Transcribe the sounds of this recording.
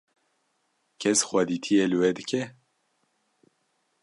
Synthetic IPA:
kʰɛsxad̪it̪ʰijelɨwɛd̪ɨkʲʰɛ

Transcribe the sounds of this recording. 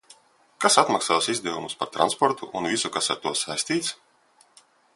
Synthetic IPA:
kasat̪maksaːsizd̪ɛvumuspaɾt̪ɾa̰nspɔɾt̪ṵʔunvisukasa̰ɾt̪uɔsajsʲt̪ʲiːt̪s

